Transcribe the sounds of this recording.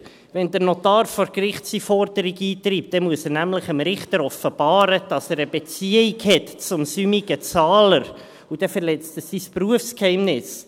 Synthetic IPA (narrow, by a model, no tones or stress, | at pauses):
ʋɛnd̪əɾnotɑːrfɔɾkrɪχsifɔrdəɾiɡiːt̪riːp̚t̚d̥ɛmuəsəɾnæmləχəmɾɪχtəɾɔfəb̥ɑːɾəd̥ɑsɛːɾəbet͡siəikhɛtt͡sʊmsymiɡət͡sɑːləɾ | udɛfəɾlɛt͡stəsispruəfskhɛɪmnɪs